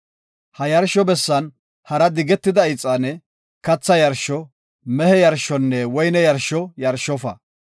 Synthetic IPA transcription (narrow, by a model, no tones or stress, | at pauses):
hɐjɐɾʃɔbɛsːɐn | hɐɾɐd̪ɪɡɛt̪ːɪd̪ɐɪt͡sʼːɐnɛ | kɐt͡sːɐjɐɾʃɔ | mɛhɛjɐɾʃɔnːɛwɔjnɛjɐɾʃɔjɐɾʃːɔfɐ̰